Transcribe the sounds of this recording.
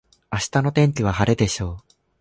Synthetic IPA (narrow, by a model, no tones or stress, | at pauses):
aɕi̥t̪ano̞t̪ẽ̞ɲ̟kʲiβ̞ahaɾe̞d̪e̞ɕo̞ː